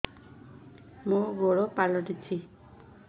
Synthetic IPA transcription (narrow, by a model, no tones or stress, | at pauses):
mũɡoɽopalɔʈit͡ʃʰi